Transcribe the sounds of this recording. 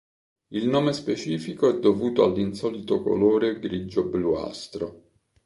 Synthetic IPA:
ilnoːmespet͡ʃiːfikoɛd̪ːovuːt̪oalːinsɔːlit̪oko̰loːɾeɡɾid͡ʒoblua̰st̪ɾo

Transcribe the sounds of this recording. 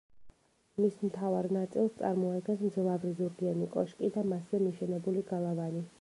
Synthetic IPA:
mismt̪ʰavaɾnat̪sʼilˠst̪sʼa̰ɾmɔad̪ɡɛnsmd̪zlˠavɾizuɾɡianikʼɔʃkʼid̪amaszɛmiʃɛnɛbuliɡalˠavani

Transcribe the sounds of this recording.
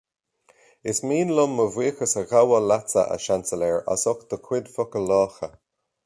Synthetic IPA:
ɪsmiːnlʊmːəviːxəsəɣawəlat͡sə̰ʔə̰ʃansəlɛɹa̰sɔkd̪̥əkʰwɪd̪fɔkəlɔːxə

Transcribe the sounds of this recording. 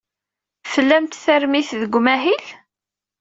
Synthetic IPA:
fəlːæmt̪θæɾmiθðəɡʷːmæɦil

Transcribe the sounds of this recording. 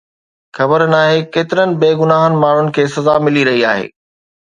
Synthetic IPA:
xɐbəɾnaːɦekeːt̪ɪɾənɪ̆beːɡʊnaːɦənɪ̆maːɳ̤ʊnɪ̆kʰeːsɐzaːmɪliɾɐɦia̰ːɦḛː

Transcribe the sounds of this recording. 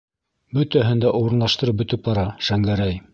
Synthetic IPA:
bɵt̪æɦɘnd̪æʔuɾɤ̆nlˠɑʃt̪ɤ̆ɾɤp̚bɵ̆t̪ɘp̚bɑɾɑʃæŋɡæɾæj

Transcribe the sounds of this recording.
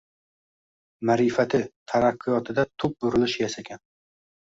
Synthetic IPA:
maɾifat̪ʰɪt̪ʰaɾɑqʰːɨjɒt̪ʰɪd̪at̪ʰʊp̚bʊɾɪlɪʃjasaɡʲan

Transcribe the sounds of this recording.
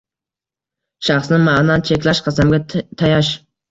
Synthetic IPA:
ʃɑχsnɪmɑnɑnt͡ʃʰekʲlˠɛʃqʰɑsæmɡʲɛt̪ʰɑjɑʃ

